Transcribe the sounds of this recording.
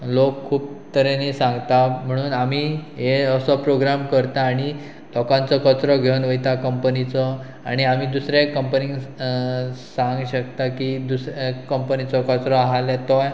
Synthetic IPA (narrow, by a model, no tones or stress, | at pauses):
lokʰːuːpt̪əɾenisãŋɡt̪am̤əɽ̃uːnamiɦeəsɔpɾoɡɾamkəɾt̪aːɽ̃i | lɔkãnt͡sɔkət͡sɾɔɡʱewnʋəjt̪akəmpənit͡sɔ | a̰ɽ̃iamid̪usɾekəmpəniŋɡ | sãŋɡɕəkt̪akid̪usɾekəmpənit͡sɔkət͡sɾɔaɦalɛt̪ɔj